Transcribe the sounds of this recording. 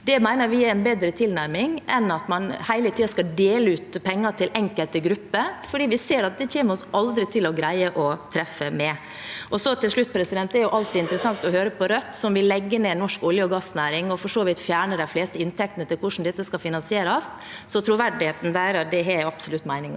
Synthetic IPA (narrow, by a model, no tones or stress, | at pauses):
d̪ɛmæɪnəɾʋɪæɾɛnbeːd̪ɾət̪ʰɪlnæɾmɪŋɛnɑt̪mɑnhæɪlət̪iːɑskɑd̪eːləʉːt̪pʰɛŋːɑʈʰɪlʔɛŋkəlt̪əɡɾʉpːəfɔɖiːʋɪseːɾɑt̪̚d̪ɛc͡çeːməɾɔsʔɑld̪ɾɪt̪ʰɪlɔɡɾæɪəʔɔt̪ʰɾɛfəmɛ | ʔɔsɔt̪ʰɪlʂɭʉt̪ːpʰɾɛsɪd̪ɛnt̪ːɛæɾjʊʔɑlt̪ʰɪɪnt̪ɾəsɑŋt̪ɔhøːɾəpɔɾœt̪ːsɔmʋɪlːɛɡːəneːnɔʂkɔljəɔɡɑsːnæːɾɪŋɔfɔʂoːʋɪt̪fjæːɳəd̪æɪfleːst̪əɪnt̪ʰɛk̚t̪ənət̪ɪlkʰʊʂn̩d̪ɛt̪ːəskɑfɪnɑnsɪeːɾɑs | sɔt̪ʰɾʊʋæɖɪheːt̪n̩d̪æɾɑt̪̚d̪ɛɛɑbsʊlʉt̪ːmæɪnɪŋ